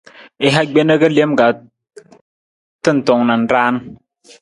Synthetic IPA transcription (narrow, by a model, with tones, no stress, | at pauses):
e˦ɦa˦ɡ͡be˦nə˦kə˦le˦mɡa˨ | tɨ˦n̩˨tɔ˨ŋna˨n̩˦ɾaː˦n˦